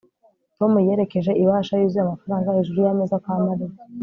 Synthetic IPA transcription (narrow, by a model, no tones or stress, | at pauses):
to̞mujeɾe̞ke̞ʒe̞ʔiβaːʃajuziamafaɾaːŋɡaiʒuɾujamezakwaːmaɾi